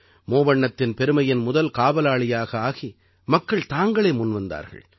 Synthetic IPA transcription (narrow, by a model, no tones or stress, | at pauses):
moːʋɐɳːɐt̪ːɪnpɛɾɯmɐjɪnmʊðɐlkaːʋɐlaːɭɪjaːɣɐaːɣi | mɐkːɐɭt̪aːŋɡɐɭɐːmʊnʋɐnd̪a̰ːɾɣɐ̰ɭ